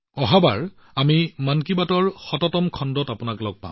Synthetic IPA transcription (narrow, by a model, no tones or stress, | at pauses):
ɔɦaba̰ɹ | amimankibatɔɹxɔtɔtɔmkʰɔndɔtapʊnaklɔɡ̚pã̰